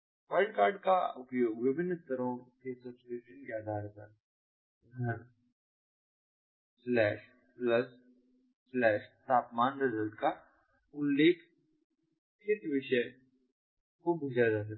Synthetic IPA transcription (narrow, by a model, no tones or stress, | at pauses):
ʋəlɖkaːɾɖkaʊpjoːɡʋɪbʱɪnːɪst̪əɾõkesɐspeʃənkead̪ʱaːɾt̪əɾ | ɦɛ̃ | slɛːʃ | plɐs | slɛːʃt̪ʰaːpmaːnɾɪzəlʈka | ʊlːeːkʰ | kɪt̪ʋɪʃə | kobʱʊd͡ʒad͡ʒaːs̬ɐ